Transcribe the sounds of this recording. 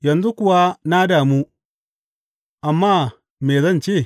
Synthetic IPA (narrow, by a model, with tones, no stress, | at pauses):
jɐ˨nzu˦kʷʊ˨wa˦na˦daː˨mu˦ | ʔa˨mːaː˦˨ | me˨zɐ˦nt͡ʃeː˦˨